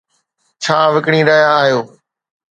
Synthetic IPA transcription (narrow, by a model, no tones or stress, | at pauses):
t͡ʃʰaːʋɪkɽ̃ĩːɾəjaːɦjoː